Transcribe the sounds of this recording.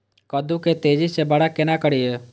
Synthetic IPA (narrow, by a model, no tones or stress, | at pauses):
kəd̪uket̪eːd͡ʒisebəɽakɪnakəɽieː